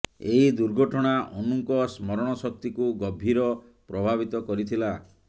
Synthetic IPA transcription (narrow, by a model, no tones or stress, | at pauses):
eɦid̪uɾɡʱɔʈʰɔɽ̃aʔɔnuŋkɔsmɔɾɔɽ̃ɔsɔk̚t̪ikuɡɔbʱiɾɔpɾɔbʱabit̪ɔkɔɾit̪ʰila